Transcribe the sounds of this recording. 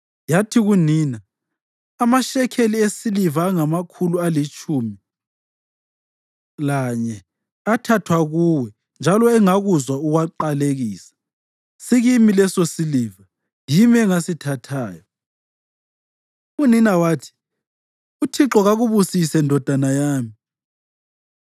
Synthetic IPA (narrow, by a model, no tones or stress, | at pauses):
jatʰiɣuniːnaː | maʃɛkʰeliesilivaːŋamakʰulualit͡ʃʼumi | laɲɛ | atʰatʰwaɣuwɛ | nd͡ʒʱalɔɛŋaɣuzwauɣwaǃaleɣiːsḁ | siɣimilɛsosiliːva | jimɛŋasitʰatʰaːjɔ | uninawaːtʰi̥ | utʰiǁɔɣaɣuβusisɛndʱɔd̥ʱanajaːmi